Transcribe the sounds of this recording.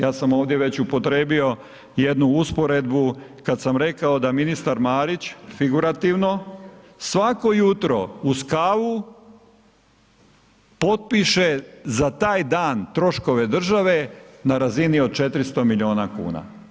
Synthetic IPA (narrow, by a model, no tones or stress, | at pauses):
jaːsamo̞ːʋd̪je̞ʋe̞t͡ɕupo̞t̪ɾeːbio̞ | je̞d̪nuuspoɾe̞d̪bukad̪samɾe̞kao̞d̪aminist̪aɾmaːɾit͡ɕfiɡuɾat̪iʋno̞ | sʋako̞jut̪ɾo̞uskaːʋu | po̞t̪̚piʃe̞zat̪aːjd̪aːnt̪ɾo̞ʃko̞ʋe̞d̪r̩ʒaʋe̞naɾazinio̞d̪̚t͡ʃe̞t̪ɾist̪omiʎio̞ːnakṵːna̰